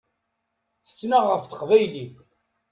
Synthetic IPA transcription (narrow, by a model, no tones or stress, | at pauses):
θə̥t͡sːnaʁəfθə̥qvæjliθ